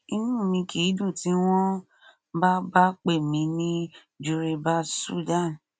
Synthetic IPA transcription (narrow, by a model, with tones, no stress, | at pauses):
i˧nũ˦˨mĩ˧ki˨˦dũ˦˨ti˦w̃ɔ̃˦ | ba˦ba˦k͡pe˦˨mĩ˧˦nĩ˦ | d͡ʒu˧ɾe˧ba˦sṵ˦da˦˨n